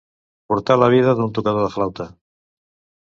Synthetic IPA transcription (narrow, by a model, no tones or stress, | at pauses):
puɾt̪alaβ̞iðaðunt̪ukaðoðəflawt̪a